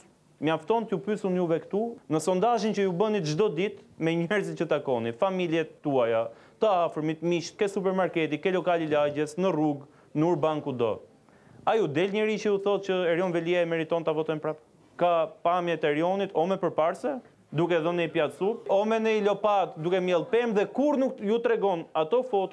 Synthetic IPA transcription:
maft̪ɔnt̪upysunjuvɛkt̪unəsɔnd̪aʒint͡ʃəjubənit̪ʒd̪ɔd̪it̪mɛɲɛɾzinət̪akɔnifamiljɛt̪t̪ːuaja | t̪əafəɾmit̪miʃt̪̚kɛsup̬ɛɾmaɾkɛt̪ikɛlɔkalilaɟɛsnəruɡ | nəuɾbaŋkud̪ɔ̰ | ajud̪ɛlɲɛɾit͡ʃəuθɔt̪̚t͡ʃəɛɾjɔnvɛliaɛmɛɾit̪ɔnt̪afɔt̪ɔnpɾap | kapamjɛt̪ɛɛɾiɔnit̪ʰɔmɛpəɾpaɾsɛ | d̪ukɛðənəipjat̪supɔmɛnəilɔpat̪d̪ukɛmjɛlˠpɛmðɛkuɾnukjut̪ɾɛɡɔnat̪ɔfɔt̪u

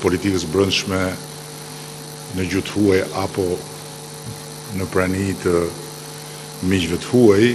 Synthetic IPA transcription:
pɔlit̪ikəsbɾənʃmɛ | nəd͡ʑut̪huajʔapɔ | nəpɾanit̪ə | mid͡ʑvɛt̪huaj

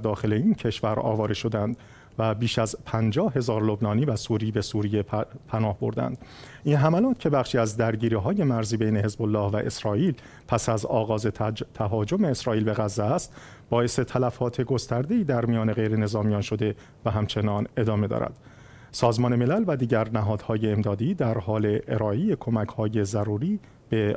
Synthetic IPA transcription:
d̪ɒːxe̞le̞incʰe̞ʃvæɾɒ̰ːvɒːɾeʃo̞d̪ænd̪̥ | væbiːʃæzpʰænd͡ʒɒːhɦe̞zɒːɾlo̞bnɒːniːvæsuːɾiːbesuːɾije̞pʰænɒːhbo̞̰ɾd̪æ̰nd̪̥ʔinɦæmælɒːt̪cʰe̞bæχʃiːæzd̪æɾɟiːɾiːɦɒːje̞mæɾziːbejne̞he̞zbolːɒːhvæʔe̞̰sɾɒːʔiːl | pʰæsæzɒːɣɒːze̞t̪ʰæɦɒːd͡ʒo̞me̞ːsɾɒːʔiːlbe̞ɣæzːææst̪ | b̥ɒːe̞se̞t̪ʰælæfɒːt̪ʰe̞ɡo̞st̪æɾd̪e̞iːd̪æɾmijɒːne̞ɣe̞jɾe̞ne̞zɒːmijɒːnʃo̞d̪e̞ | væɦæmt͡ʃʰe̞nɒːne̞d̪ɒːme̞d̪ɒ̰ːɾæ̰d̪̥ | sɒːzmɒːne̞me̞lælvæd̪iːɟæɾnæɦɒːd̪̥hɒːje̞ːmd̪ɒːd̪iːd̪æɾhɒːle̞ʔeɾɒːʔejekʰo̞mækʰhɒːje̞zæɾuːɾiː | b̥e̞

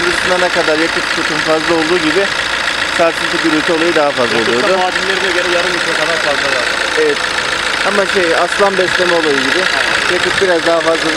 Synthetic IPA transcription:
biɾisinanakad̪aɾjakʰɯp̚t̪ʰot̪ʰumfazlˠao̞lˠd̪uːɟibɪ | kʰaɾk̪ɯnt̪ʰɯd̪yɾyjt̪ʰɛo̞lˠajɯd̪aɦafazlˠaolˠujo̞d̪ʊaːd̪imlʲeɾinɛɟø̞ɾɛjaɾɯmit̪ʰek̪amankazˠalˠaɾ | evɛt̪̚ | amaʃejaslˠanbɛst̪ʲemɛo̞lˠajɯɟibɪ | jakɯp̚biɾazd̪aɦafazlˠa

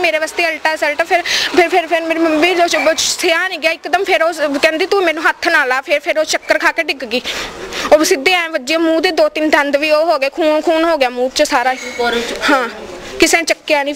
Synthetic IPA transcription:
meːɾeːʋast̪eːəlʈaːsɛlʈːpʰɪɾpʰɪɾpʰɪɾpʰɪɾmeːɾəmbiːoːsʰeaːnĩːɡɪaːɪkːd̪əmpʰɪɾoːkɛ̃ːnd̪iːt̪uiːmɛ̃ːnũːɦət̪ʰːnaːlaːpʰɪɾpʰɪɾoːt͡ʃəkːəɾkʰaːkeːɖɪɡɡiːoːsɪd̪eːãːẽːʋəd͡ʒeẽːmũːd̪eːd̪oːt̪ɪnd̪ə̃nd̪ʋiːoːɦoːɡeːkʰuːnkʰuːnɦoːɡejaːmũːt͡ʃsaːɾaːhãː | kɪsẽːt͡ʃəkːejaːnĩː

